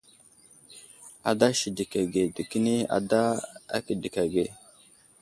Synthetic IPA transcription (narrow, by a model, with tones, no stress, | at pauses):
a˨da˦ʃi˨di˨ka˨ɡe˨di˨ki˦ni˦a̰˨da˦a̰˦ki˨di˨ka˨ɡe˨